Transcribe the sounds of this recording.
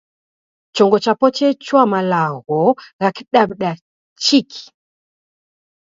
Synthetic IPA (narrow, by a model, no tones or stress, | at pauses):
t͡ʃɔŋɡɔt͡ʃapɔt͡ʃɛt͡ʃwamalaɣɔɣakiɗabɗa | t͡ʃikʰi̥